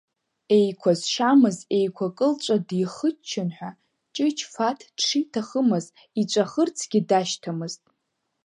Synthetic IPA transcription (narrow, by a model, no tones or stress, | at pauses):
e̞jkʷʰazʃamɨze̞jkʷʰakʼɨlt͡ʃʷʼadiχət͡ʃʰːɪnħʷᶣa | t͡ʃʼɪt͡ʃʰfatʰd̥ʂitʰaχəmɨz | it͡ʃʷʼaχərt͡sʰɡʲidaʃtʰamɨztʼ